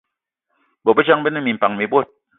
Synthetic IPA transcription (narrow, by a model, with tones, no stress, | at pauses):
bo˨pe˦t͡ʃa˦ŋbe˦ne˦˨mi˨m̩˨pa˨ŋmi˨˦bwo˦˨t̚